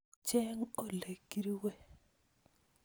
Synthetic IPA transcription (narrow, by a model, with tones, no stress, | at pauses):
t͡ʃɛ˦ŋo˨le˨ɡi˦ɾi˦we˦˨